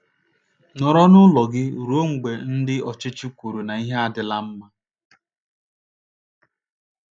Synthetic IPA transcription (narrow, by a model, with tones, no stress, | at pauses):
nɔ˨ɾɔ˦nʊ˦lɔ˨ɡɪ˦˨ɾo˦ŋ̩˨ɡ͡be˨n̩˦dɪ˦ɔ˨t͡ʃɪ˦t͡ʃi˦kʷu˨ɾu˨na˨i˦ɦe˦a˦dɪ˦la˦m̩˦ma˦